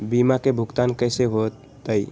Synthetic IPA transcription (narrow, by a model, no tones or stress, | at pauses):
biːmakebʱʊɡt̪aːnkəɪseɦot̪ː | əi